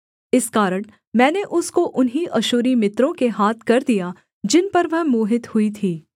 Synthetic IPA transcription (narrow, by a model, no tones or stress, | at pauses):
ɪskaːɾəɳ̃ | mɛ̃ːneʔʊskoʔʊnɦiʔɐʃuːɾimɪt̪ɾõkeɦaːt̪ʰkɐɾd̪ija | d͡ʒɪnpɐɾʋɐɦmoːɦɪt̪hʊit̪ʰiː